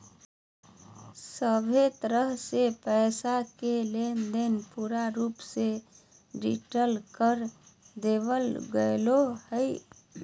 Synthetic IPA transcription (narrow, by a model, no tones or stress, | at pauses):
səbʱet̪əɾəɦsepəɪsakelend̪enpuɾaɾupse | ɖḭʈəlkəɾ | d̪ebəlɡəlohəj